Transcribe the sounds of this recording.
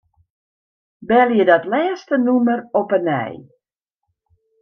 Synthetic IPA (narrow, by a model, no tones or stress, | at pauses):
bɛlˠjədɔtlɛːstənumərɔpənɛ̰j